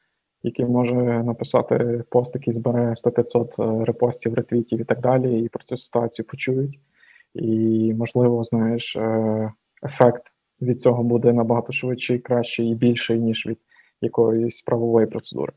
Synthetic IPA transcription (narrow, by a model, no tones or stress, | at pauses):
jɐkʲimɔʒɛnɐpɪsɑ̰t̪ɪ̰pɔst̪jɐkʲizbeɾɛst̪ɔpʲɪt̪sɔt̪ɾepɔsʲtʲiwɾet̪ʋʲitʲiwit̪ɑɡ̚d̪ɑlʲiipɾɔt͡sʲusɪ̥t̪ʊɑt͡sʲijʊpɔt͡ʃujʊtʲ | imɔʒlˠɪʋɔznɑjeʃ | efɛkt̪ | ʋʲid̪̚t͡sʲɔɦɔbud̪ɛnɐbɐɦɑt̪ɔʃʋɪtt͡ʃɪjkɾɑʃt͡ʃɪjibʲilʲʃɔjnʲiʒʋʲid̪̥ | jɐkɔjɔsʲpɾʔɐʋɔʋɔjipɾɔt̪sed̪ṵɾɪ